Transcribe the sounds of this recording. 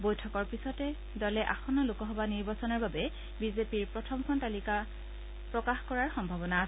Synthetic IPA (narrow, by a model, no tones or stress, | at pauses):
bojtʰɔkɔɹpisɔtɛ | dɔlɛʔaxɔnɔlokɔɦɔbaniɹbasɔnaɹbabɛ | bizepiɹpɹɔtʰɔmkʰɔntalika | pɹɔkaxkɔɹaɹxɔmbʱabɔnaːs